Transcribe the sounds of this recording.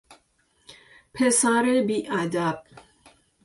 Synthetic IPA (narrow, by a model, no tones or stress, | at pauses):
pʰesaɾebiʔad̪ab̚